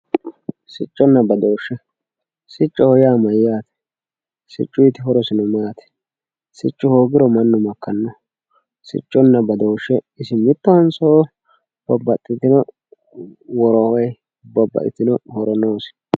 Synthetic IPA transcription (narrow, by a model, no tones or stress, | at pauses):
sɪt͡ʃʼːɔnːɐbɐd̪oːʃːɛ | sɪt͡ʃʼːɔhɔjaːmɐjːaːt̪ɛ̥ | sɪ̰t͡ʃʼːʊjit̪ɪɦɔɾɔsɪnɔmaːt̪ɛ̥ | sɪ̰t͡ʃʼːʊhoːɡɪɾɔmɐnːʊmɐkːɐnːɔ | sɪ̰t͡ʃʼːɔnːɐbɐd̪oːʃːɛ | ɪsɪmɪt̪ːɐhɐnsɔ | b̥ɐbːɐt̪ʼːɪt̪ːɪnɔ | wɔɾɔhɔj | bɐbːɐ̰ʔɪ̰t̪ɪnɔhɔɾɔnoːsɪ̥